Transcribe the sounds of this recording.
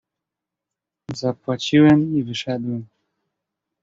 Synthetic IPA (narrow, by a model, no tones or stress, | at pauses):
zapwat͡ɕiwɛmivɘʂɛd̪wɛm